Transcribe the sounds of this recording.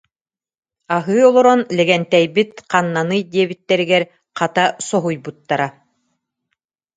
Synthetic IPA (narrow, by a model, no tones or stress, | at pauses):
aɦɯːɔlˠɔɾɔnlɛɡɛnt̪ɛjbit̪̚qanːanɯjd̪iɛβit̪ːɛɾiɡɛɾ | qat̪asɔɦujbut̪ːaɾa